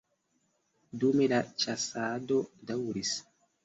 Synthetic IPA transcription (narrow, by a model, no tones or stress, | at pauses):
dumedat͡ʃasaːdodawuɾis